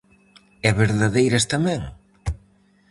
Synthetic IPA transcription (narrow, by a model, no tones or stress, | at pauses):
ɛβeɾðaðejɾɐst̪amɛ̃ŋ